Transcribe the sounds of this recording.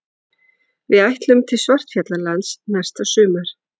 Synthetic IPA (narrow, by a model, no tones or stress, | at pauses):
vɪðajht̪lʏmt̪ʰɪlsvar̥t̪fjat̪lalansnɛ̥st̪asʏːmaɾ̥